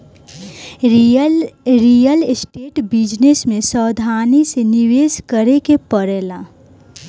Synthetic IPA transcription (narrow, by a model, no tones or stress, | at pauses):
ɾijəlsʈeːʈbid͡ʒnesmẽsəːd̪ʱaːniseniweːskəɾekepəɾeːla